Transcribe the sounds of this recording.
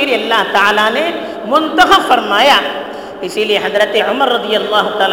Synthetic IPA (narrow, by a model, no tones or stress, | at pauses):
liɐlːaɦt̪aːlane | mʊ̃nt̪ɐxəbfɐɾmaːja | ɪsilieɦɐzɾət̪eʊməɾːɐd̪ijɐlːɑːɦʊt̪aːl